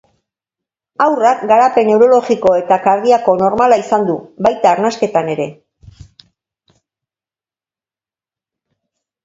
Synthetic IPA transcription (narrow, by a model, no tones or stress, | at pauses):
awrakɡaɾape̞ne̞wɾo̞lo̞ɣiko̞e̞t̪akaɾðiako̞no̞ɾmalaisand̪ubajt̪aːɾnaske̞t̪ane̞ɾe̞